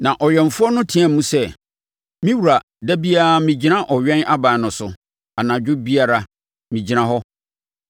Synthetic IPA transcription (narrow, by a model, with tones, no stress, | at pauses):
nã˨ʔɔ˨ɥɛ˨ɱ̩˨fʊ˦ɔ˦nʊ̃˦tʰĩ˨˦ɛ̃˦m̩˦mũ˦sɛ˦ | mĩ˦wu˨ɾa˨ | da˦bi˦a˦˨mĩ˨d͡ʑi˦nã˦ʔɔ˨ɥᶣɛ̃˦na˦bãː˨nʊ̃˨sʊ˨ | a˨nã˨d͡ʑᶣʊ˦bi˦a˨ɾa˨ | mĩ˨d͡ʑi˨ɾã˦ɦɔ˦